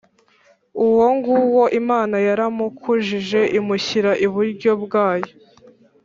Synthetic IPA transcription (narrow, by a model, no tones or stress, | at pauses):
uwo̞ŋɡuwo̞ʔimaːnajaɾamukʰuʒiʒe̞ʔimuçiɾaʔiβuɾɟo̞bɡaːjo